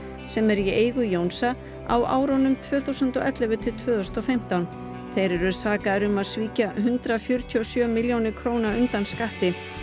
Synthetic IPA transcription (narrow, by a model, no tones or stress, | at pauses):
sɛmɛɾjɛʔeːjɣʏjownsa | a̰wa̰ːwɾɔnʏmt̪ʰvœːθuwsənt̪ɔʔɛt̪lɛvʏt̪ʰɪlt̪ʰvœːðɔst̪ɔfɛm̥t̪awn | θejɾɛɾʏɾsaːkaðɾʏmaðsviːcaɦʏnt̪ɾafjʏɾ̥t̪ʰiɔsjœːmɪljownɪkʰɾoːwnaʏnt̪anskaht̪ɪ